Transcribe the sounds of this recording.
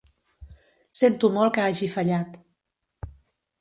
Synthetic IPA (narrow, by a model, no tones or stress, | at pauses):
sent̪umɔlˠkəaʒifəʎat̪